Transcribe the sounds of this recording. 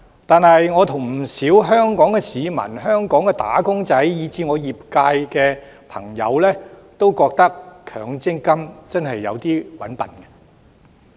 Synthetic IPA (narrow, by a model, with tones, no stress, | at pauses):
t̪aː˨nɦɐ˨jŋɔː˨˧t̪ʰʊ˨˩ŋm̩˨˩siː˨˥wɦœː˥ŋkɔː˨˥ŋkɛ˧siː˨˧mɐ̰˨˩nɦœː˥ŋkɔː˨˥ŋkɛ˧t̪a̰ː˨˥kʊ˥ŋt͡sɐ˨˥jjiː˨˧t͡siː˨˧ŋɔː˨˧jiː˨p̚kaː˧jkɛː˧ | pʰɐ̰˨˩ŋjɐ̰˨˧wlɛː˥t̪o˥wkɔː˧k̚t̪ɐ˥k̚kʰœ̰ː˨ŋt͡sɪ˥ŋkɐ˥mt͡sɐ˥nɦɐ˨jːɐ̰˨˧wt̪iː˥wɐ˨˥npɐ̰˨˩nkɐ̥˧